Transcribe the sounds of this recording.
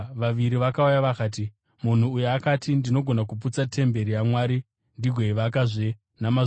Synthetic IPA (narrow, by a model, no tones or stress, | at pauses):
ʋaʋiɾiʋakaujaʋakaːt̬i | mun̤uːjeakatʰindino̞ɡʱo̞nakuput͡satʰe̞mbe̞ɾijamwaːɾi | ndiɡʱweiʋakaʐe | nama